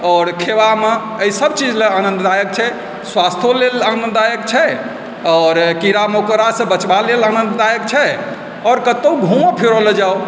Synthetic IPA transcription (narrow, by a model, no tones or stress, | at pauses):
ɔɾkʰewame | əisəb̚t͡ʃid͡ʒleanə̃nt̪d̪ajək̚t͡ʃʰɛ | swast̪ʰolelənəd̪ajəkt͡ʃʰɛ | ɔːɾkiɾamookɾasə̃bət͡ʃbalelanənt̪d̪ajək̚t͡ʃʰɛ | ɔːɾkət̪əuɡʱũmãpʰiɾoləd͡ʒao